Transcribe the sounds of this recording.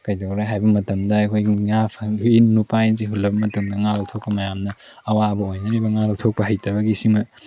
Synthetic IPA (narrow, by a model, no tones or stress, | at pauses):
kɐjdowɾajɦajbɐmɐtɐmdɐɐkʰojɡiŋapʰɐinnupajnz̬iɦulːɐbɐmɐtuŋdɐŋalɐk̚tʰok̚pɐmɐjamnɐ | ɐwaɐbɐojnɐɾibɐŋalɐk̚tʰok̚pɐɦɐjtʰɐbɐɡisiŋmɐ